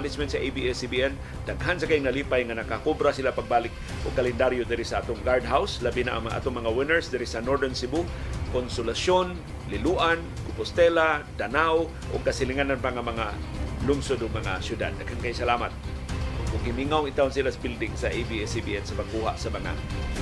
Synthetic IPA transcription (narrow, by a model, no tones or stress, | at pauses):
lɪsmɛnt̪saʔejbiɛsibiɛn | d̪aɡɦansakaiŋnaliːpajŋanakakobɾasilapaɡ̚baːlɪk̚ | ʔʊɡ̚kːalɛnd̪aɾjʊd̪aɾisaʔaːt̪ʊŋɡaɹd̪ɦawslabinaʔaʔa̰ːt̪oŋmɐŋawɪnɛɹsd̪aɾisanoɹd̪ɛnsibukonsʊlasjon | lɪluʔan | kʊpʊst̪ɛlad̪anaw | ʔʊ̰ɡ̚kasɪlɪŋananpaŋamaŋalʊŋsʊd̪ʊɡ̚maŋa̰sjʊd̪a̰d̪̚ːaɡhankajsalaːmat̪̚ | ʊɡɪmiŋawŋɪt̪awnsilasabɪld̪ɪŋsaʔebiɛsibiʔɛnsapaɡ̚kuɦa̰ʔsamaŋa̰